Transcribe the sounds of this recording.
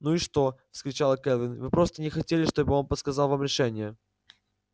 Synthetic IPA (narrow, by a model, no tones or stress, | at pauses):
nuiʂt̪o̞fskɾʲɪt͡ɕalˠəkɛlvʲɪnvɨpɾo̞st̪ənʲɪxɐtʲelʲɪʂt̪o̞bɨo̞npət̪skɐzɑlˠvamɾʲɪʂɛnʲɪjə